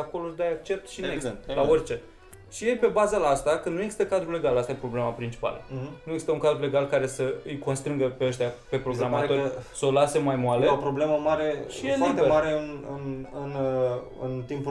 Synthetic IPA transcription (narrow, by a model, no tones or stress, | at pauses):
ako̞lod̪ajak̚t͡ʃe̞p̚t̪ʃineelaorʲt͡ʃe̞ | ʃije̞jpe̞bazəlaast̪akɨnd̪nue̞ɡzist̪əkad̪ɾule̞ɡalast̪ajepɾo̞ble̞mapɾint͡ʃi̥pa̰lə̰nujeɡzist̪əuŋkad̪ɾule̞ɡalkaɾe̞səɨjko̞nst̪ɾɨŋɡəpeəʃt̪ʲjape̞pɾo̞ɡɾamat̪osəolase̞majmoaleopɾobleməmaɾe̞ʃijeflibt̪emaɾeɨnɨ̰nɨnɨ̰nt̪impu